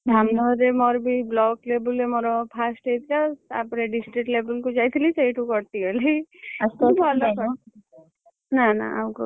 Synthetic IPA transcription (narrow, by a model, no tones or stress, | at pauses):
d̪ʱamnɔɾemɔːɾbʱiblɔːkleːbəlemɔɾopʰaːsʈet̪ʰkaa̰pɾeɖɪsʈɾiʈleːbəlkod͡ʒaːjt̪ʰlisejʈukɔɾt̪iɛli | ubʱalak | nana̰a̰ko